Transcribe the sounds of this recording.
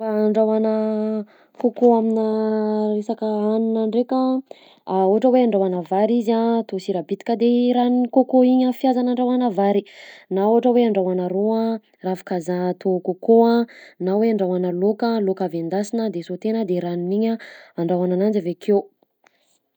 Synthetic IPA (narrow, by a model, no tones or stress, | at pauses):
faːɳɖ͡ʐawanə | kokoaminəresakəanunaɳɖ͡ʐekə | auɦaʈ͡ʂəweaɳɖ͡ʐawanavaɾizat̪osiɾabit̪i̥kʲəd̪eɾannikokoiɲəfjazanaɳɖ͡ʐawanəvaɾinauɦaʈ͡ʂəweaɳɖ͡ʐawanəɾoã | rafḁkazat̪ʰokokoanaweaɳɖ͡ʐawanəlokəlokavend̪asinəd̪esot̪enəd̪eɾaniniɲəaɳɖ͡ʐawananand͡ʒavekʰew